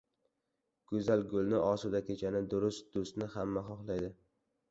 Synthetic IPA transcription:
ɡ̥ʊzalɡʊlˠnɪʔɒsʊd̪akʲʰet͡ʃʰanɪd̪ʊɾʊst̪̚d̪ʊst̪nɪhamːaχɒχlˠajd̪ɪ

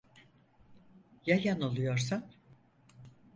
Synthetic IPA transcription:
jajanolˠujo̞ɾsan

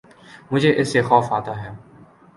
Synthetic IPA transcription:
mʊd͡ʒʱeʔɪsːexɔːfaːt̪aɦɛː

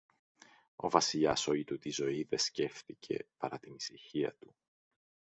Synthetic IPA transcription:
o̞vɐsiʎɐ̰so̞it̪ut̪izo̞iðe̞sce̞fθicʰe̞̰pɐɾɐt̪inisiçiɐ̰t̪u

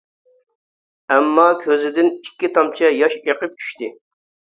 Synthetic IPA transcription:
ɛmːɑkʲʰøzɪd̪ɪnikʲːit̪ʰɑmt͡ʃʰɛjɑʃeqəp̚t͡ʃʰy̥ʃt̪ɪ

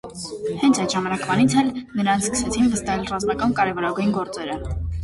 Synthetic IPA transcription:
hɛnt͡sʰɑjt̪ʒɑmɑnɑkʰmɑnit͡sʰɛlnəɾɑnʰskə̥sɛt͡sʰinvəst̪ɑɦɛlrɑzmɑkɑnkɑɾɛvɔɾɑɡujnɡɔɾt͡sɛɾə

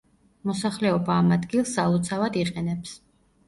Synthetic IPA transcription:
mɔsaχlɛɔbaːmad̪ɡilˠsalˠɔt̪sʰavad̪iqʼɛnɛps

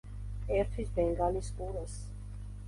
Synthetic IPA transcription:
ɛɾt̪ʰisbɛŋɡaliskʼuɾas

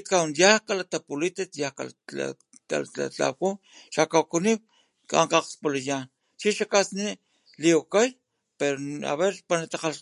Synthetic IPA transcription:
t̪kawnjahkalat̪apulit̪et̪jahka̰la̰ | a̰a̰t͡ɬa̰wku | ʃakawkunik̚ | kaɴqaqspolajaːn | t͡ʃiʃakasniʔ | liokaj | peɾoa̰βeɾpanat̪aqal

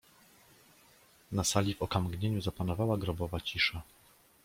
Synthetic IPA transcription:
nasalʲivɔkamɡɲeɲuzapanɔvawaɡɾɔbɔvat͡ɕiʂa

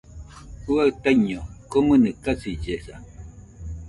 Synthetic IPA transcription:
huat̪ajɲokomɨnɨkasid͡ʒesa̰

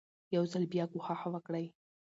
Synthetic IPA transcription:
jawzalbjɑɡʊhaxawəkɽaj

